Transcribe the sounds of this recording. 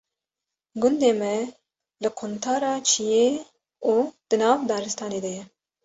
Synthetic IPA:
ɡʊnd̪eːmɛ | lɨkʰʊnt̪ʰaːɾɑːt͡ʃʰijeː | uːd̪̥ɨnɑːvd̪ɑːɾɨst̪ʰɑːneːd̪ɛjɛ

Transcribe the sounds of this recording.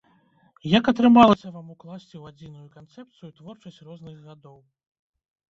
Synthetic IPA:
jɐkɐt̪ɾɨmalˠɐsʲɐvamuklˠasʲt͡sʲiwad͡zʲinujukant̪sɛp̚t̪sɨjut̪vɔrt͡ʂɐsʲt͡sʲrɔznɨɣɣad̪ɔw

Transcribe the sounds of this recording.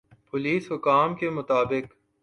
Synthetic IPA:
pʊliːsɦʊkaːmkemʊt̪aːbɪk

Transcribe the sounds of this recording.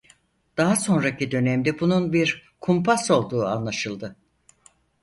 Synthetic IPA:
d̪̥aɦaso̞nɾacid̪ø̞nɛmd̪ɛbununbiɾkʰumpʰaso̞lˠd̪uːa̰nlˠaʃɯlˠd̪ɯ

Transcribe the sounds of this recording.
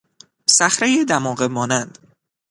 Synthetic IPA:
sæxɾejed̪æmɒːɣemɒːnænd̪̥

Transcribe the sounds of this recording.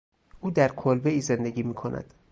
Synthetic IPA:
ʔuːd̪æɾkʰolbeiːzend̪eɡʲiːmiːkʰo̞nʔæ̰d̪̥

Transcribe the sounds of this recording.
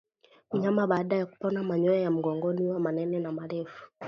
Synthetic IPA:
ɲamaɓaːɗajaku̥pɔnamaɲɔjajam̩ɡɔŋɡɔniwamanɛnɛnamaɾɛfu̥

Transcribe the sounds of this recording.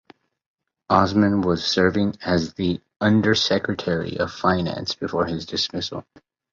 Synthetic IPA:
ʔɑzmɨ̃nwʌz̥sɜ˞vɪ̃ŋɨzði | ʌ̃ndə˞sɛkɹɨtʰɛɹḭʔʌv̥fãɪ̃næ̰̃nsb̥ɨfɔɹɪzdɨsmɪsl̩ˠ

